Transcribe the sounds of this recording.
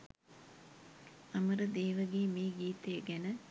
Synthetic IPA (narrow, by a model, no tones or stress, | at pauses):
ɐməɾəd̪eːʋəɡeːmeːɡiːt̪ejəɡænə